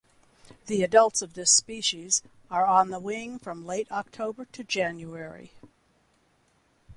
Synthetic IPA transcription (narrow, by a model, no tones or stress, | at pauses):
ðiɨdʌlˠtsʌvðɪspiʃiz | ə˞ə̃nðəwɪ̃ŋfɹʌ̃mleɪɾɑk̚tʰoʊbə˞ɾɨd͡ʒæ̃njuɛɹḭ